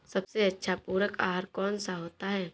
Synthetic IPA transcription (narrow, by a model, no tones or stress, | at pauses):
sɐbseɐtːʃʰapuːɾəkaːɦəɾkɔːnsaɦoːt̪aɦɛː